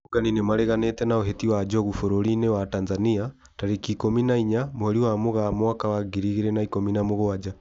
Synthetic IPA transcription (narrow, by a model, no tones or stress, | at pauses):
oɡaninemaɾɛɣanetɛnaɔɦetiwad͡ʒɔɣufoɾoɾinɛwatanzania | taɾekikominaiɲamoɛɾiwamoɣamɔakawaɡiɾiɣeɾɛnaikominamoɣoad͡ʒa